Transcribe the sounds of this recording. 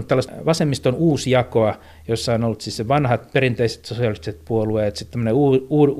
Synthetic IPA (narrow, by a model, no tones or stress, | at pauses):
t̪ælːɑstʋɑsemːist̪onuːsjɑkoɑ | josːɑonolːt̪sisseʋɑnhɑt̪perint̪eise̥t̪sosiɑlist̪iset̪̚puolueˑet̪sit̪t̪ːæmːøneuːuːr